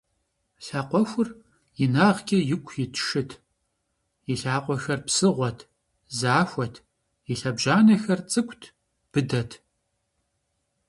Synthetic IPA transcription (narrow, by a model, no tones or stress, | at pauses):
ɬaːqʷɔxʷʊr | jɪnaːʁkʲʼɐjɪkʷʰjɪtʰʃɨtʰ | jɪɬaːqʷɔxɐrpsɨʁʷɔtʰ | zaːxʷɔtʰ | jɪɬɐbʒaːnɐxɐrt͡sʼɨkʷʰʼtʰ | b̥ɨdɐtʰ